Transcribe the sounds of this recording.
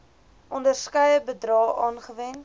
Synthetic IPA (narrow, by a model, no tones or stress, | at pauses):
ʔɔndərskœjəbədrɑːʔɑːnχəvɛn